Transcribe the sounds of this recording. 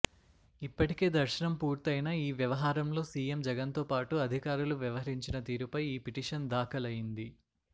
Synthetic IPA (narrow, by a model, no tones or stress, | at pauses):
ipːɐʈike̞ːd̪ɐɾʃɐnɐmpuːɾt̪ɐjnaːiːʋjɐʋɐɦaːɾɐmlo̞ːsiːje̞md͡ʒɐɡɐnt̪o̞ːpaːʈuɐd̪ʱikaːɾuluʋjɐʋɐɦɐɾiɲt͡ʃinɐt̪iːɾupɐjiːpiʈiːʂɐnd̪aːkɐlɐjind̪i